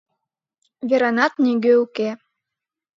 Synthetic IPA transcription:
βʲeɾɑnɑt̪nʲiɡøuke

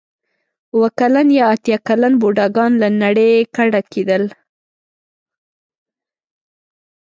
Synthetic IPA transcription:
wəkalanjɑat̪jɑkalanboɖɑɡɑnlanaɽejkaɽakʰed̪əl

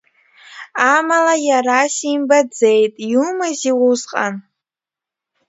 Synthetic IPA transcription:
amalajarasimbad͡zejtʼjumaziwuzqʼa̰n

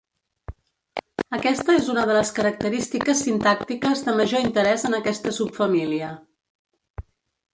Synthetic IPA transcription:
əkɛst̪əezunəðələskəɾək̚t̪əɾist̪ikəsːint̪ak̚t̪ikəzðəməʒoint̪əɾɛzənəkɛst̪əsupfəmiliə

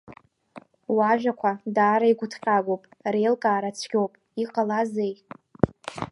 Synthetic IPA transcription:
waʒᶣʷakʷʰadaːɾaiɡʷʊtʰqʲʼaɡʷopʼrejlkʼaːɾat͡sʷʰɡʲo̞wpʼ | iqʼalazej

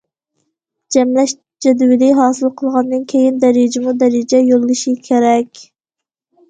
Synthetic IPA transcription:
d͡ʒɛmlɛʃ | d͡ʒɛd̪wɪlɪɦɑːsɨlˠqʰəlˠʁɑnd̪ɨnkʲʰejind̪ɛɾɪd͡ʒɪmud̪ɛɾɪd͡ʒɛjolˠɨlˠɨʃikʲʰeɾɛkʲ

